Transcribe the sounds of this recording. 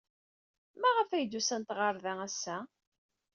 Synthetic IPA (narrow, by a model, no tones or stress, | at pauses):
mæʁəfæjd̪usænt̪ʁɑɾðææsːæ